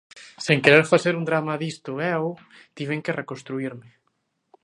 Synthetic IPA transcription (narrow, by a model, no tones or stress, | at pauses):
seŋkeɾeɾfaseɾund̪ɾamaðist̪ʊɛw | t̪iβeŋkerekonst̪ɾuiɾmɪ